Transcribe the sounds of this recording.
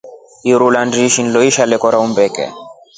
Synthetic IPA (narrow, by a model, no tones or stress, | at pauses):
iɾulandiʃinlɔiʃalɛkɔɾaumbɛkɛ̰